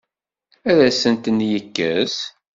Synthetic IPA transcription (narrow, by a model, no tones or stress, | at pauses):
æðæsənt̪ənjəkːæz